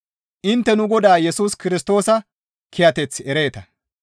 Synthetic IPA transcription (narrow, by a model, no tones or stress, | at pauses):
ʔɪnt̪ːɛnʊɡɔd̪aːjɛsuːskɪɾɪst̪o̞ːsɐ | kʰɪjɐt̪ɛt͡sːɛɾe̞ːt̪ɐ